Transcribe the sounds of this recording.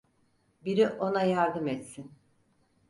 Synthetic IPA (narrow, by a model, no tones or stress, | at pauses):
biɾiʔo̞najaɾd̪ɯmɛt̪sin